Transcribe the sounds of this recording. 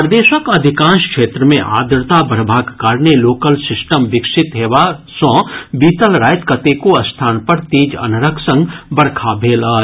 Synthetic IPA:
pɾd̪eːʃəkɐd̪ʱɪkãːʃkʃeːt̪ɾəmẽʔa̰ːd̪ɾt̪abəɽbʱaːɡkaːɾneloːkəlsɪsʈəmʋɪkʃɪt̪ɦeːʋasɔ̃ːbiːt̪əlɾaːjt̪kət̪ekoɐst̪ʰaːnpəɾt̪iːd͡ʒɐ̰nɾəkʰsə̃ŋɡbɐɽkʰabʱeːlaː

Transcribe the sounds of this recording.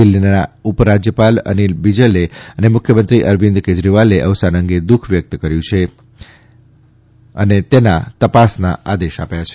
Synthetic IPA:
ilinaupɾad͡ʒjəpalə̰nilbid͡ʒəleənemʊkʰjəmənt̪ɾiʔəɾʋind̪ked͡ʒɾiʋaleʔəʋsanəŋɡed̪ukʰʋjək̚t̪kəɾjũt͡ʃʰe | ə̰net̪ena̰t̪əpasnaad̪eʃa̰pjat͡ʃʰe

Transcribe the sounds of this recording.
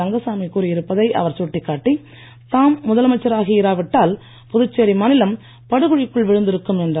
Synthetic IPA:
ɐŋɡɐsaːmikuːɾiɪɾɯpːɐðɐɪʔɐ̰ʋɐɾsɔʈːikːaːʈːi | t̪aːmːʊðɐlɐmɐt͡ʃːɐɾaːɣɐɪɾaːʋɪʈːaːl | pʊðʊt͡ʃːeɾimɐnɪlɐm | pɐɽɯɣɯɻɪkːɯɭʋɪɻɯnd̪ɪɾɯkːɯmɛndrɐ

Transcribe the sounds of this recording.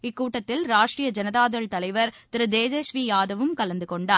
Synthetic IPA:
ɪkːuːʈːɐt̪ːɪlɾaːʂʈɾijɐd͡ʒɐnɐðaːðɐɭt̪ɐlɐɪʋɐɾt̪ɪɾɯd̪eːd͡ʒɐsʋiːjaːðɐʋɯmkɐlɐnd̪ɯkɔɳɖaːɾ

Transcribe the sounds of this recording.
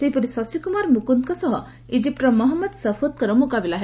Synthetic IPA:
seɦipɔɾisɔsikumaɾmukunkɔsɔɦɔ | id͡ʒip̚ʈɾɔmɔɦɔmːɔd̪sɐfʰot̪̚kɔɾɔmukabilaɦe

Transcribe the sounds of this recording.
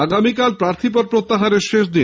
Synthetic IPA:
aɡamikalpɾaɾt̪ʰipoɾpɾot̪ːaɦaɾeɾʃeʃd̪i

